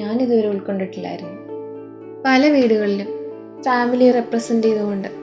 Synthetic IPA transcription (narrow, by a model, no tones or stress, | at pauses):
aːniðuʋɐɾeuɭko̞ɳɖiʈːilːa̰ːjiɾunːu | pɐlɐʋiːɽuɣɐɭilum | faːmilireprɐsɐndiiðumuɳɖɨ